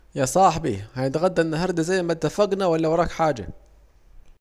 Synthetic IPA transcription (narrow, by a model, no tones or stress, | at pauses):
jasˤɑːħbihanɪt̪ɣad̪ːanːaɦɑɾˤd̪azajːmat̪ːafaɡnawalːawɑɾˤɑːkħaːd͡ʒa̰